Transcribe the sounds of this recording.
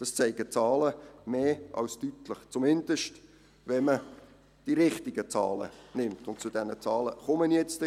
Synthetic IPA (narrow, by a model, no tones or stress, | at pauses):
d̥ɑst͡sɛɪɡ̥ət͡sɑːləmeːʔɑ̰lstytləχt͡sʊmɪndəʃt | vɛmə | d̥iɾɪχtɪɡət͡sɑ̰ːlə̰nɪmtʊntt͡sʊd̥ɛnət͡sɑːləχʊmənjɛt͡st